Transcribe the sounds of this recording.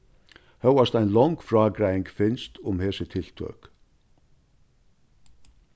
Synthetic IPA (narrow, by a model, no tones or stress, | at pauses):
hœwast̪æjnlɔŋkfɾaːkɾajɪŋkfɪnst̪ʊmhɛːsət̪ʰɪlt̪ʰø̰ːk